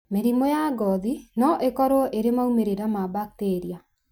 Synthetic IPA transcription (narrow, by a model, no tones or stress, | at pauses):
meɾimojaɡɔðinɔʔekɔɾoʔeɾemaumeɾeɾamabak̚teɾia